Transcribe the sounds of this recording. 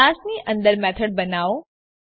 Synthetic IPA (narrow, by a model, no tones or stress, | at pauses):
ãsniʔə̃nd̪əɾmɛt̪ʰəɽ̚bənaʋo